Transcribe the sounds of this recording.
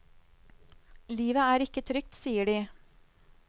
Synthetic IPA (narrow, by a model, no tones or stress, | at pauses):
liːʋəæːɾɪkət̪ʰɾʏk̚t̪siːəɖiː